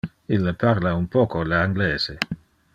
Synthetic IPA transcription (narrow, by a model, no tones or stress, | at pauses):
ilːapʰaɾlaunpɔːkoleaŋɡlɛːz̥e